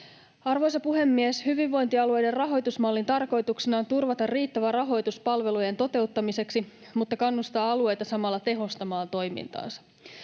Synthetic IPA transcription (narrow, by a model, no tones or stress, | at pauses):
ɑrʋo̞jsɑpuɦe̞mːieshyʋiʋːo̞jnt̪iɑlue̞jderrɑɦo̞jt̪usmɑlːint̪ɑrko̞jt̪uksenɑːnt̪urʋɑt̪ɑrriːt̪ːæʋærɑɦo̞jt̪uspɑlʋe̞luje̞nt̪o̞t̪e̞ut̪ːɑmise̞ksi | mut̪ːɑkɑnːust̪ɑːɑlue̞jt̪ɑsɑmɑlːɑt̪e̞ɦo̞st̪ɑmɑːnt̪o̞jmḭnt̪ɑ̰ːnsɑ̥